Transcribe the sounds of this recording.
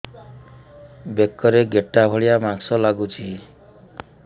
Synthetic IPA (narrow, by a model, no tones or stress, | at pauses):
bekːɔɾeɡeʈːabʱɔɭijamaɡsɔlaɡut͡ʃʰi